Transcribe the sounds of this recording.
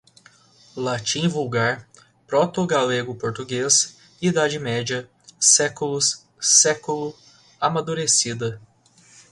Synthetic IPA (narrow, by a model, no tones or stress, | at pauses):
lat͡ʃĩvuwɡaɾ | pɾot̪oɡaleɡʊpoɾt̪uɡes | id̪ad͡ʒɪmɛd͡ʒiɐ | sɛkulʊsː | ɛkulʊ | amad̪uɾesid̪ɐ